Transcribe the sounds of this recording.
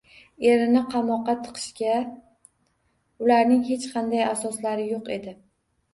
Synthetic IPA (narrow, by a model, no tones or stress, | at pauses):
e̞ɾɪnɪqʰɑmɒqːɑt̪ʰɨ̥qʰɨ̥ʃkʲa | ʊlaɾnɪŋɦe̞t͡ʃqʰɑnd̪ajasɒslaɾɪjoqe̞d̪ɪ